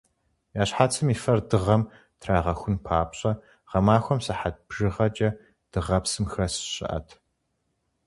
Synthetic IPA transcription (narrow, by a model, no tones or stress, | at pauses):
jaːɕħaːt͡sʰɨmiːfɐrdɨʁɐm | tʰraːʁɐxʷʊnpʰaːpɕʼɐ | ʁɐmaːxʷɔmsɐħat̚b̥ʒɨʁɐt͡ʃʼɐ | d̥ɨʁɐpsɨmxrɐsɨ̥ɕʼɪ̰ʔɐ̰tʰ